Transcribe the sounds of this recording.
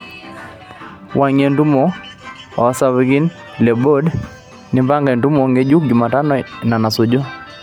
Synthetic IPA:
wʔa˨ɲe˨ntu˦mo˦ | ɔ˨˦sa˦wɡi˦n | lɛ˨bo˦d | nɪ˦mba˦ŋɡɛ˨ntu˦mo˨ŋɡe˦d͡ʒu˦k̚d͡ʒʊ˨ma˨ta˦nɔ˨na˨na˨so˨d͡ʒo˦

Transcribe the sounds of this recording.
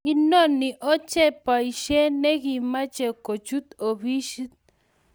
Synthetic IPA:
i˦no˦ni˨ʔɔ˦t͡ʃɛ˦pa˨i˨ʃe˦ne˦ɡi˨ma˦t͡ʃɛ˨ko˨t͡ʃu˦t̪o˨bi˦ʃi˦t̪̚

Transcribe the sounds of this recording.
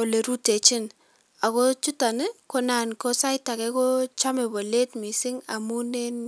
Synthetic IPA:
o˨le˨ɾu˦te˨t͡ʃɪ˦n | a˨kɔ˦t͡ʃu˦ta˨nɪ˦ko˦na˨nkɔ˦sa˦jta˨kɛ˦kɔ˦t͡ʃa˦mɛ˨bo˨le˦tmi˨sɪ˦ŋa̰˨mu˦ne˦n

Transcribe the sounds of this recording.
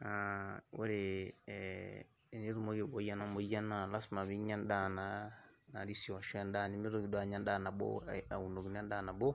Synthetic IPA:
ao˦ɾe˨ | ni˦ɾu˦mo˦ɣe˨βo˨˦ja˦na˦mo˨ja˦na˨la˦sma˨βi˦ɲa˦n˦da˨na˨na˨ɾi˦so˨ʃnda˦˨ni˦mi˦ɾo˨i˨dwa˦˨ɲa˦nda˦na˨bo̰˦a̰˨u˨no˨ɡi˨n˦a˦nda˦na˨bo˦

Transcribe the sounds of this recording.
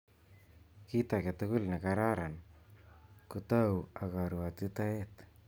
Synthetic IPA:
kit̪ake˨t̪ʊkʊ˦lna˨kaɾaɾa˨n | kut̪a˦waka˨ɾu˨a˨t̪it̪a˦e˦t̪

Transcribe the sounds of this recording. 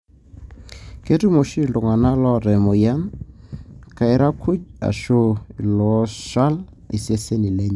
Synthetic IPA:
ke˦tu˦mo˨ʃi˦˨lʊ˨ŋa˨na˦lɔ˦ɾɛ˨mo˨ja˦n | ka˨ɪ˦ɾa˦kʰu˦d͡ʒa̰˨ʃo˦i˨lɔ˦ʃa˦l | ḭ˨se˦se˦ni˨le˦ɲ˨

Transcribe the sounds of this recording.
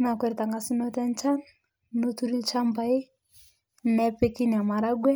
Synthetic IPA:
na˨kɛ˦˨ɾɛ˨ta˨ŋɡa˨si˦nɔ˦tɛ˦n˦t͡ʃa˦n | no˦tu˦ɾi˦lt͡ʃa˦mba˨i˦ | nɛ˦pe˦ki˦ni˨a˨ma˨ɾa˦ɡwɛ˦

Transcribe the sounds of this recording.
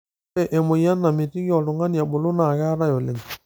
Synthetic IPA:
ɛ˨ʔɛ˨mo˨ja˦nːa˨mɪ˨ti˦ɣjɔ˨lʊ˨ŋa˦nja˨bʊ˨lʊ˦na˨ɣa˦ɾa˦jɔ˨le˨ŋ˨

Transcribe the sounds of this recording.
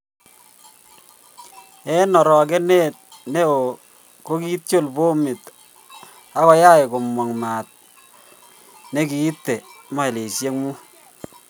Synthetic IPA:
ɛ˦nɔ˨ɾɔ˨k̬ɛ˦ne˦˨t̚ | ne˦o˨ | ko˦ki˦tjo˦˨lbo˦mɪ˨t | a˦kɔ˦ja˦ɪ˨kʊ˨mwɔ˨ŋmaː˨t̚ | ne˦kiː˨˦tːe˨ma˦i˨le˨sje˦ŋmu˦

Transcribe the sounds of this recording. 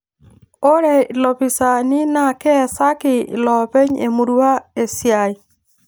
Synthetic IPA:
o˦ɾɛ˨lɔ˨pi˨sa˨ni˦na˦˨kɛ˦˨sa˦kɪ˨lɔ˨pe˦ɲḛ˨mu˨ɾu˦a˦e˨sja˨i˨

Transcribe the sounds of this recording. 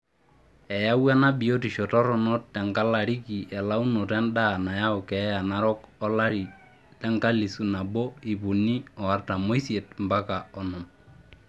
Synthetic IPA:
ɛ˨ja˦wa˦na˦bi˨jo˦ti˨ʃɔ˨tɔ˦ɾɔ˨nɔ˦t̚tɛ˨ŋka˦la˨ɾi˦ki˨ʔɛ˨la˦u˦nɔ˨tɛ˦nda˦˨na˨ja˦ʊ˨kɛ˨˦ja˨na˦ɾɔ˦kɔ˦la˦ɾi˨ | tɛ˦ŋka˦li˨su˨na˨bɔ˦i˨pu˨ni˦ɔ˨a˨˦rta˨mo˦jse˨tmba˦ka˨ɔ˨nɔ˨m

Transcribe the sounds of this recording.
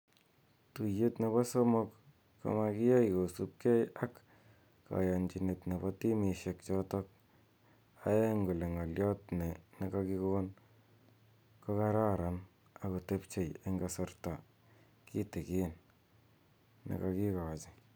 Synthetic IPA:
tu˨je˦tne˨βa˦so˦mo˦kː | o̰˨ma˧ki˦ja˦jko˨su˦p̚ke˦ja˦kː | a̰˨ja˨nd͡ʒi˨ne˨tne˨bɔ˦ti˦mi˨ʃe˨k̚t͡ʃɔtɔ˦k̚ | a˦e˦ŋɡu˨le˨ŋa˨ljɔ˦tne˨ne˨ka˧ki˦kon | ko˦ka˦ɾa˦ɾa˨n | a˨ko˨te˦pt͡ʃe˨je˦ŋɡa˨so˨rta˨ | ki˦te˨ki˦n | nḛ˨ka˧ki˦ka˨t͡ʃi˨

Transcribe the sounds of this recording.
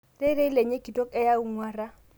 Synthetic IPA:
re˦ɾe˦le˨ɲe˦kʼi˨tʼɔ˦kɛ˦ja˦u˦ŋwaː˦ra˦

